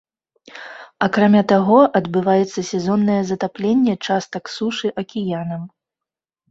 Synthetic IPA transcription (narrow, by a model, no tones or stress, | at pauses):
ɐkɾamʲat̪aɣɔʔɐd̪bɨvajɛt̪sːɐsʲɛzɔnːɐjɛzɐt̪aplʲenʲːɛt͡ʂast̪ɐksuʂɨʔɐkʲijanɐm